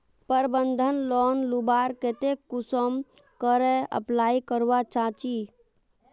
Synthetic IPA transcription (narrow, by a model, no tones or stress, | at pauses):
pəɾbənd̪ʱənlɔnlubaɾket̪ekusəm | kəɾɛə̰plaikəɾʋat͡ʃãt͡ʃi